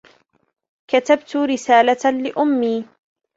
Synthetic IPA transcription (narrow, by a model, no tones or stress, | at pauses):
kat̪abt̪ʊɾɪsaːlalɪʔʊmːiː